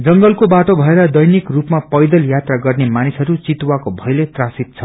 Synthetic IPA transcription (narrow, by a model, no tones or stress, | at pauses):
d͡zʌŋɡʌlkobaʈobʱʌeɾʌd̪ʌjnikrupmapʌjd̪ʌljat̪raɡʌrnemanisɦʌɾut͡sit̪wakobʱʌjlet̪rasit̪̚t͡sʰʌ